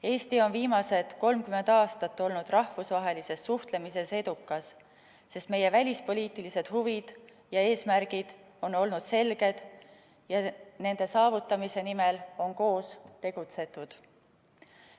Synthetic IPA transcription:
e̞ːst̪io̞nviːmɑse̞t̪ko̞lmkyme̞nd̪̥ɑːst̪ɑt̪ːo̞lnud̪rɑhvusvɑɦe̞lise̞sːuht̪le̞mise̞se̞d̪̥ukːˑɑsː | e̞st̪me̞je̞vælʲispo̞lʲiːt̪ˑilise̞d̪̥huvid̪̥ | jɑe̞ːsmæɾɡ̥id̪̥ | o̞no̞lnud̪̥se̞lɡ̥e̞d̪̥ | jɑne̞nd̪̥e̞sɑːvut̪ːˑɑmise̞nime̞lo̞nko̞ːst̪e̞ɡ̥ut̪se̞t̪ˑːud̪̥

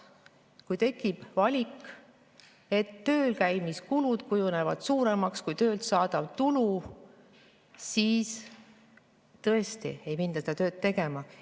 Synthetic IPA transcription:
kujt̪e̞kːˑib̥vɑlʲik | e̞t̪ːø̞ːlkæjmiskulud̪̥kujune̞vɑd̪̥suːɾe̞mɑkskujt̪ø̞ːlt̪sɑːd̪̥ɑv̥t̪ulu | siːs | t̪ɤest̪ḭe̞jmind̪ɑsed̪ɑt̪ø̞ːt̪ːe̞ɡ̥e̞mɑ

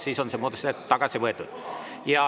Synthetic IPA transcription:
sisonsemːoːt̪est̪ːæt̪ɑkɑsiʋet̪ːu | jɑ

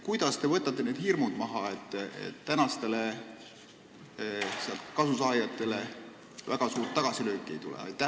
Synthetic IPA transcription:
kujd̪̥ɑst̪e̞vɤt̪ːˑɑt̪ˑːe̞neːd̪̥hirmud̪̥mɑɦɑe̞t̪ːˑḛt̪ːænɑst̪e̞le | seɑlt̪kɑsusɑːjɑt̪ːˑe̞le̞ | væ̰ɡ̥ɑsuːrt̪ːɑɡ̥ɑsilø̞ːkːˑie̞jt̪ulḛɑ̰jt̪ːˑæ

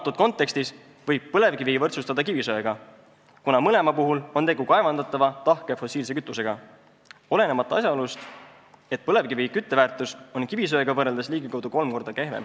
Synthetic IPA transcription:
t̪ːud̪̥̚ko̞nt̪ːˑe̞kst̪is | vɤjb̥̚pɤle̞vkivivɤrt̪sust̪ɑd̪ɑkibisøeɡ̥ɑ | kunɑmɤle̞mɑpuɦulo̞nt̪e̞ɡukɑevɑnd̪ɑt̪ːˑɑvɑt̪ɑhke̞fo̞sːiːls̬e̞kyt̪ˑːuse̞ɡ̥ɑ | o̞le̞ne̞mɑt̪ːˑɑɑsjɑolust̪ | e̞t̪̚pɤle̞vkivikyt̪ːevæːrt̪ˑuso̞nkibis̬ø̞eɡɑvɤreld̪esliːɡ̥ikɑwd̪uko̞lmko̞rd̪ɑke̞hve̞̰m

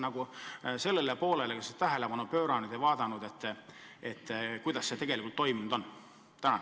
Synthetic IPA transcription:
nɑɡ̥use̞lːe̞lepo̞ːle̞lekɑset̪æɦelepɑnupø̞ːɾɑnud̪̥ejvɑːd̪ɑnud̪e̞t̪ːet̪ːˑkujd̪̥ɑsːet̪e̞ɡ̥elikˑult̪ːo̞jmund̪̥on | t̪ænɑ

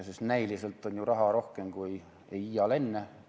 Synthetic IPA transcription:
sist̪næilise̞lt̪ːˑo̞nʲjurɑɦɑɾo̞hke̞mkuj | ejijɑle̞nːe

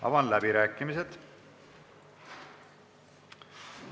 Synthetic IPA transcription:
ɑ̰vɑnlæbiɾæːkːˑimised̪̥

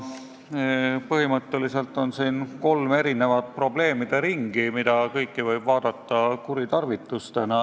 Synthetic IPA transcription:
pɤhimɤt̪ːˑelise̞lt̪ːˑo̞nsiːnko̞lme̞ɾine̞vɑt̪̚pro̞ble̞ːmid̪̥e̞ɾiŋɡ̥imid̪̥ɑkɤjkːˑivɤjb̥vɑːd̪̥ɑt̪ˑːɑkuɾit̪ɑrvit̪ːˑust̪enɑ

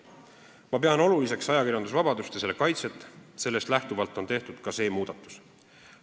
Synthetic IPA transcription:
mɑpe̞ɑno̞lulise̞ksɑjɑkirjɑnd̪̥usvɑb̥ɑd̪ust̪ese̞lːekɑjt̪se̞t̪ːse̞lːe̞st̪læht̪uvɑlt̪ːˑo̞nt̪e̞ht̪ud̪̥kɑse̞ːmuːd̪̥ɑt̪ːˑu̥s

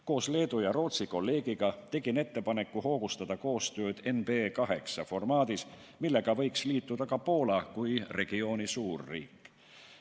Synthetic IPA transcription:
ko̞ːsle̞ːd̪ujɑɾo̞ːt̪siko̞lːe̞ːɡ̥iɡ̥ɑt̪e̞ɡ̥ine̞t̪ːe̞pɑne̞kːˑuho̞ːɡ̥ust̪ɑd̪̥ɑko̞ːst̪ø̞ːd̪̥e̞nb̥e̞kɑɦe̞̰ksɑfo̞rmɑːd̪̥is | milːe̞ɡ̥ɑvɤ̞jksliːt̪ːˑud̪̥ɑkɑpo̞ːlɑkujre̞ɡ̥io̞ːnisuːrːḭːkːˑ

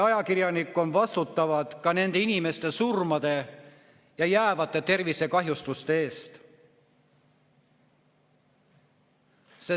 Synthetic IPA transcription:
ɑjɑkirjɑnikːˑo̞nvɑst̪ut̪ːˑɑvɑd̪̥kɑne̞nd̪̥e̞inime̞st̪e̞surmɑd̪̥e̞ | jɑjæːvɑt̪ˑːe̞t̪e̞rvise̞kɑɦjust̪ust̪e̞e̞ːst̪ | se

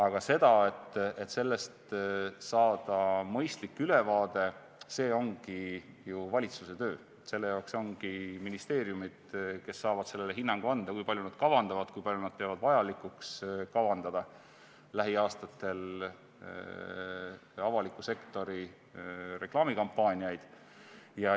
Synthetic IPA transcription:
ɑɡ̥ɑse̞d̪̥ɑe̞t̪ːe̞t̪ːse̞lːe̞st̪sɑːd̪̥ɑmɤ̞jst̪likːˑyle̞vɑːd̪̥e̞ | se̞ːo̞ŋɡ̥i | juvɑlʲit̪suse̞t̪ø̞ː | etse̞lːe̞jɑwkso̞ŋɡ̥iminist̪e̞ːɾjumid̪̥ke̞sːɑːvɑd̪̥se̞lːeleɦinːɑŋɡ̥uɑnd̪̥ɑkujpɑljunɑd̪̥̚kɑvɑnd̪ɑvɑd̪̥kujpɑljunɑd̪̥̚pe̞ɑvɑd̪̥vɑjɑlikukskɑvɑnd̪̥ɑd̪̥ɑ | læɦiɑːst̪ɑt̪ːe̞l | ɑvɑlikːˑuse̞kt̪o̞ɾi | re̞klɑːmikɑmpːˑɑːnʲiɑjd̪̥ | jɑ

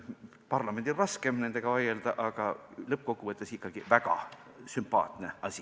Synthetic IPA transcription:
pɑrlɑme̞nd̪irɑske̞mne̞nd̪̥e̞ɡ̥ɑvɑje̞ld̪̥ɑʔɑɡ̥ɑlɤp̚ːko̞kːuvɤt̪ːˑesikːˑɑɡ̥ivæɡ̥ɑ̰ | sympɑ̰ːt̪neɑsʲi

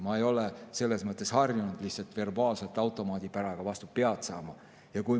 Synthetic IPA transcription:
mɑejo̞lese̞lːe̞smɤt̪ːˑe̞shɑrjunud̪̥lihtsɑlt̪ve̞rbɑːlse̞lt̪ːˑɑwt̪ˑo̞mɑːd̪̥ʲipæɾɑɡ̥ɑvɑst̪upːe̞ɑt̪sɑ̰ːmɑ | jɑkuj

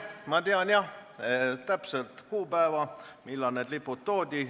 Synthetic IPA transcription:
mɑt̪eɑnjɑ | t̪æpselt̪kuːpæevɑmilːɑneːd̪lipːut̪̚t̪oːd̪ʲi

